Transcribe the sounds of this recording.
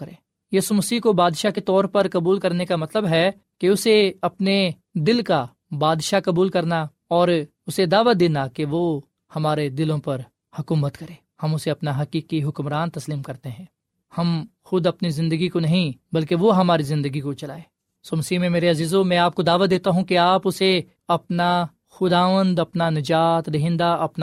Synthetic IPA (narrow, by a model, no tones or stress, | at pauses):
ɾẽː | jiːsumɐsiːɦkobaːd̪ʃaket̪ɔːɾpɐɾkɐbuːlkɐɾnekamɐt̪ləbɦɛ | keʊseɐpne | d̪ɪlka | baːd̪ʃakɐbuːlkɐɾna | ɔːɾ | ʊsed̪aːʋad̪eːnakeʋo | hɐmaːɾed̪ɪlõpɐɾ | hʊkuːmət̪kɐɾẽːhɐmʊseɐpnaɦɐkiːkiɦʊkmɾaːnt̪ɐsliːmkɐɾt̪eɦɛ̃ː | hɐm | xʊd̪ɐpnizɪ̃nd̪əɡikonɐɦĩbɐlkeʋoɦɐmaːɾizɪ̃nd̪əɡikot͡ʃɐlaːeː | soːmɐsiːmẽmeːɾeɐziːzõmɛ̃aːp̚kod̪aːʋad̪eːt̪aɦũkiaːpʊse | ɐpna | xʊd̪aːʋə̃nd̪ɐpnanɐd͡ʒaːt̪eɦɪ̃ːnd̪aɐpn